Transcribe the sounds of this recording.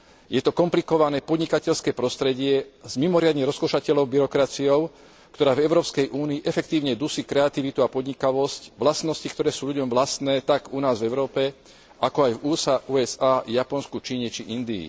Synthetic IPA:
jɛt̪ɔkɔmplikɔʋanɛːpɔd̪ɲikacɛʎskɛːpɾɔst̪ɾɛɟɪɛzmimɔɾɪad̪ɲɛɾɔskɔʃacɛlɔʊbiɾɔkɾat͡siɔʊ | kt̪ɔɾaːvɛʊɾɔːpskɛjʔuːniːʔɛfɛk̚t̪iːʊɲɛd̪usikɾɛat̪iʋit̪uapɔd̪ɲikaʋɔscʋlasnɔscikt̪ɔɾɛːsuːʎuɟɔmʋlast̪nɛːt̪aɡunaːzvɛʊɾɔːpɛ | akɔajvuːsaʔuːɛsaːjapɔnskut͡ʃiːɲɛt͡ʃiʔind̪ḭː

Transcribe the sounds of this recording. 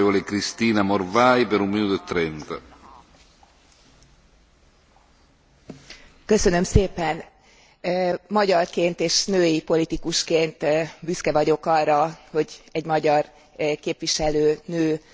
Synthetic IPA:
volekɾist̪iːnamorvaːjpeɾumminuːt̪oet̪ːɾɛnt̪a̰ | kø̞sø̞nø̞mseːpɛnː | mɒɟɒrkeːnt̪eːʃnøːjipo̞lit̪ikuʃkeːnt̪byskɛvɒɟo̞kɒrːɒho̞ɟɛɟmɒɟɒr | keːpʋiʃɛløːnøː

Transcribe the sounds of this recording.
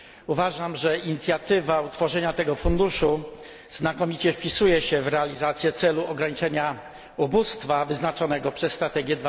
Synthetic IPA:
uvaʐamʐɛiɲit̪sʲjat̪ɘvaut̪fɔʐɛɲat̪ɛɡɔfund̪uʂu | znakɔmʲit͡ɕɛfpʲisujɛɕɛvɾɛalʲizat̪sʲjɛt̪sɛluɔɡɾaɲit͡ʂɛɲa | ubust̪favɘznat͡ʂɔnɛɡɔpʂɛsːt̪ɾat̪ɛɡʲjɛd̪v

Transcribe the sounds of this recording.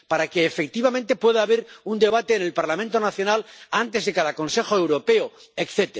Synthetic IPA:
paɾakeːfek̚t̪iβament̪e̞pwe̞ðaːβeɾund̪e̞β̞at̪e̞ːne̞lpaɾlamẽnt̪onaθjo̞nalant̪e̞zðe̞kaðako̞nse̞xoe̞wɾo̞pe̞o | ekθe̞t̪ea

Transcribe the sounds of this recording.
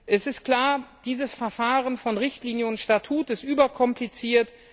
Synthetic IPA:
ʔɛsɪst̚kl̥aːɐd̥iːzəsfɛɐfaːʁənfɔnʁɪçtliːnjəʊntʃtatʰuːtɪstʔyːbɐkʰɔmplit͡siːɐt

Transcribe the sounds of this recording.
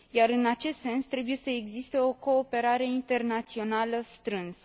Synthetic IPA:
jaɾɨnat͡ʃe̞st̪se̞nst̪ɾe̞buje̞səeɡzist̪e̞o̞ko̞ːpe̞ɾaɾe̞int̪e̞rnat̪sio̞naləst̪ɾɨnsə

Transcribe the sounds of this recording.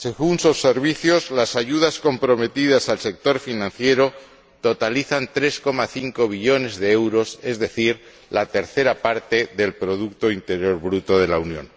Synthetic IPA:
se̞ɣunsosːe̞ɾβ̞iθjo̞zlasaʝuð̞asko̞mpɾo̞me̞t̪ið̞asalse̞k̚t̪o̞ɾfinãn̟θje̞ɾo̞ | t̪o̞t̪aliθant̪ɾe̞sko̞maθiŋko̞β̞iʎo̞ne̞zðe̞ewɾo̞se̞zðe̞θiɾ | lat̪e̞ɾθe̞ɾapaɾt̪e̞ðe̞lpɾo̞ð̞ukt̪oint̪e̞ɾjo̞ɾβɾut̪o̞ð̞e̞launjõ̞̰n

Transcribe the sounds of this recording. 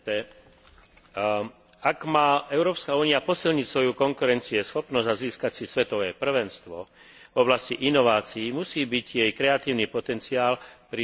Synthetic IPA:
ɛ | aɡmaːɛʊɾɔːpskauːniapɔsilɲicsʋɔjukɔŋkuɾɛnt͡siɛsxɔpnɔzaziːskacsisʋɛt̪ɔʋɛːpr̩ʋɛnst̪ʋɔ̰ | vɔblasciʔinɔʋaːt͡siːmusiːbiɟjɛjkɾɛat̪iːʊnipɔt̪ɛnt͡siaːlpɾi

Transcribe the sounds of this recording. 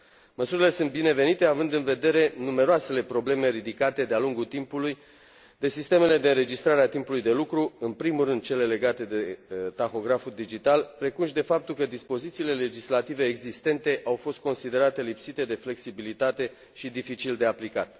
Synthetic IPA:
məsuɾile̞sɨnt̪̚bine̞ve̞nit̪e̞avɨnd̪ɨnve̞d̪e̞ɾe̞nume̞ɾoase̞le̞pɾo̞ble̞me̞ɾid̪ikat̪e̞d̪ealuŋɡut̪impuluj | d̪e̞sist̪e̞me̞le̞d̪e̞ɨnɾe̞d͡ʒist̪ɾaɾeat̪impulujd̪e̞lukɾuɨnpɾimurɨnd̪̚t͡ʃe̞le̞le̞ɡat̪e̞d̪e̞t̪axo̞ɡɾafud̪id͡ʒit̪alpɾe̞kunʃd̪e̞fap̚t̪ulkəd̪ispo̞zit̪siːle̞le̞d͡ʒislat̪ive̞ːɡzist̪e̞nt̪e̞ʔawfost̪̚ko̞nsid̪e̞ɾat̪e̞lipsit̪e̞d̪e̞fle̞ksibilit̪at̪e̞ | ʃid̪ifit͡ʃild̪e̞aplikat̪̚

